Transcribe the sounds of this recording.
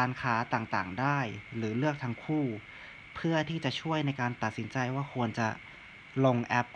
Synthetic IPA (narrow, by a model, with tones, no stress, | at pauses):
aː˧nkʰaː˩˦t̪aː˨˩ŋt̪aː˨˩ŋdaː˥˩jɾɯː˩˦lɯ˥˩ək̚t̪ʰa˧˥ŋkʰuː˥˩ | pʰɯ˥˩ɐt̪ʰiː˥˩t͡ɕa˨˩ʔt͡ɕʰu˥˩əjna˧jkaː˧nt̪a˨˩t̪̚si˩˦nt͡ɕa˧jwaː˥˩kʰu˧ənt͡ɕa˨˩ | lo˧ŋʔɛ˦˥p̚